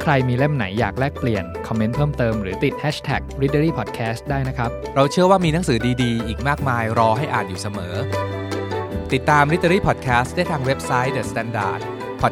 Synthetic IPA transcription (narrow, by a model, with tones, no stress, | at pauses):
kʰɾa˧jmiː˧le˥˩mna˩˦jːaː˨˩k̚lɛː˥˩k̚pli˨˩ənkʰɔ˧mːe˦˥npʰɤː˥˩mt̪ɤː˧mɾɯː˩˦t̪i˨˩t̪̚hɛː˦˥t͡ɕʰt̪ʰɛ̰˨˩k̚ɾi˦˥ə˧ɾiː˥˩pʰɔː˨˩t̪̚kʰɛː˦˥st̪̚daː˥˩jna˦˥kʰɾa˦˥p̚ɾa˧wt͡ɕʰɯ˥˩ɐwaː˥˩miː˧na˩˦ŋsɯː˩˦diː˧diː˧ʔiː˨˩k̚maː˥˩k̚maː˧jɾɔː˧ɦa˥˩jʔaː˨˩t̪̚juː˨˩sa˧mɤː˩˦ | t̪i˨˩t̪ːaː˧mɾi˦˥t̪̚ə˧ɾiː˥˩pʰɔː˨˩t̪̚kʰɛː˦˥st̪̚daː˥˩jt̪ʰaː˧ŋwe˦˥p̚sa˦˥jdɯː˨˩st̪ɛː˧˥nda̰ː˨˩t̪̚ | pʰɔ˨˩